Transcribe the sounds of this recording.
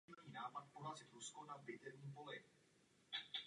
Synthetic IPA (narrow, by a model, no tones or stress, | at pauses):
ɲiːnaːpat̪̚poɦazɪt̪ɾuskonabɪt̪ɛvɲiːpo̞lɪ